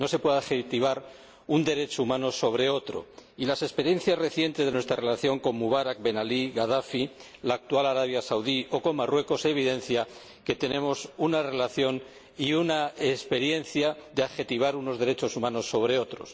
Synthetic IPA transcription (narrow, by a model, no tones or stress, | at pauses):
no̞se̞pwe̞ðaxet̪iβ̞aɾ | und̪e̞ɾe̞t͡ʃoumãno̞so̞β̞ɾe̞o̞t̪ɾo̞̰ilase̞spe̞ɾje̞n̟θjasre̞θje̞nt̪e̞zðenwest̪ɾare̞laθjo̞ŋko̞mmuβ̞aɾak̚be̞naliɣaðafilaːk̚t̪ualaɾaβ̞jasawðio̞ko̞mmːarwe̞ko̞seːβ̞iðe̞n̟θja | ke̞t̪e̞nẽ̞mo̞sunare̞laθjo̞n | iunaespe̞ɾje̞nθjaðeaxe̞t̪iβ̞aɾuno̞zðe̞ɾe̞t͡ʃo̞sumãno̞sːo̞βɾe̞o̞t̪ɾo̞̰s